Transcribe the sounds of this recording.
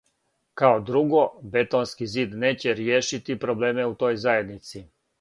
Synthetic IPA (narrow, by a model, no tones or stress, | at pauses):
kaod̪ɾuɡo̞be̞t̪onskiziːd̪ne̞ːt͡ɕeɾjeːʃit̪ipɾo̞ble̞ːmeut̪o̞ːjzaje̞d̪nit̪si